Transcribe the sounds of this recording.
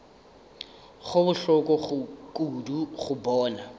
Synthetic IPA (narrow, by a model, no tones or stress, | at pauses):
ɣʊbʊɬɔkʼɔɣʊkʼuduχʊbɔːna